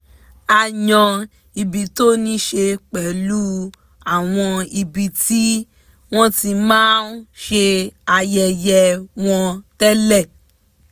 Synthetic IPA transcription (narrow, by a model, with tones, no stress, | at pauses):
a˧jɔ̃˧ | i˧bi˨to˦nĩ˦ʃe˧k͡pɛ˨lu˦ | a˨w̃ɔ̃˧i˧bi˨ti˦ | w̃ɔ̃˦ti˧mãː˦nʃe˧a˧jɛ˧jɛ˧w̃ɔ̃˧tɛ˦lɛ˦˨